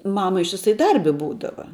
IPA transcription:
ˈmɑːmɐ ɪʃʲtʲɪˈsɐɪ ˈdɐrʲbʲɪ ˈbuːdɐʋɐ

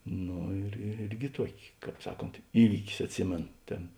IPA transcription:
ˈnoː ɪr ɪr ˈɪrʲɡʲɪ ˈtuɔkʲɪ ˈkɑːp ˈsɑːˌkoːnt ˈiːʋʲiːkʲɪs ɐtʲˈsʲɪmʲeːnoː ˈtʲeːn

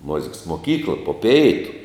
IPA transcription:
ˈmʊzʲɪks moːˈkʲiːklˠɐ poː ˈpʲɛɪtʊ

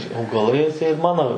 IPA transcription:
ɐʊɡɐˈlˠɐɪ ɐtʲˈsʲɛɪt ˈmɑːnoː

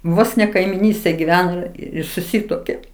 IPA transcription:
ˈʋoːs nʲɛ kɐɪmʲɪˈnʲiːsʲtʲeːj ɡʲɪˈʋʲæːnoː ˈɪr sʊˈsʲiːtuɔkʲeː

